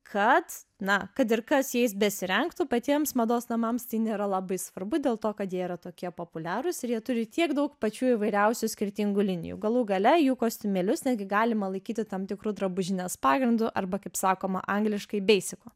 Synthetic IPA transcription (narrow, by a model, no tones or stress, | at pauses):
kʰɐt̪nɐkɐt̪̬ɪrkɐsjɛɪsbʲɛsʲɪɾʲɛŋkt̪ʊpɐt̪ʲiɛmsmɐd̪oːsnɐmɐmst̪ɐɪnʲeːɾɐlˠɐbɐɪsʋɐrbʊd̪ʲeːlˠt̪oːkɐt̪jiɛiɾɐt̪oːkʲiɛpoːpʊlʲæːɾʊsɪɾjiɛt̪ʊɾʲɪt̪ʲiɛɡd̪ɐʊkpɐt͡ʃʲuːiːʋɐɪɾʲɛʊsʲʊsʲkʲɪɾʲt̪ʲɪŋɡʊːlʲɪnʲɪ̰jṵːɡɐlˠuːɡɐlʲɛjuːkoːsʲt̪ʲʊmʲeːlʲʊsnʲɛd̪ʲɡʲɪɡɑːlʲɪmɐlˠɐɪkʲiːt̪ʲɪt̪ɐmt̪ʲɪkɾuːd̪ɾɐbʊʒʲɪnʲɛspɑːɡɾʲɪnd̪ʊʔɐrbɐkɐɪpsɑːkoːmɐ̰ʔɐŋɡlʲɪʃkɐɪbʲɛɪsʲɪkoː